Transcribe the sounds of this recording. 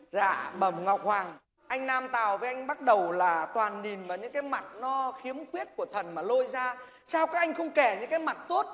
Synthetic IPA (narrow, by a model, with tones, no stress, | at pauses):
za̰ː˧˨ɓə˧˩mŋɔ˨˩wk͡p̚hwaː˨˩ŋ | ʔa˧jŋ̟naː˧mt̪aː˨˩wvə˨˦jʔa˧ŋ̟ɓa˦˥t̚ɗə˨˩wlaː˨˩t̪waː˨˩nːi˨˩nvaː˨˩ɲɨ̰˧˥ŋkaː˨˦jma˨˩t̚nɔ˨˦xi˨˦əmkwi˦˥ət̚ku˧˩ət̪ʰə˨˩nmaː˨˩lo˧jzaː˧ | saː˧wkaː˦˥k̚ʔa˧jŋ̟xə˧wŋ͡mkɛ˧˩ɲɨ̰˧˥ŋkaː˨˦jma˨˩t̚t̪o˦˥t̚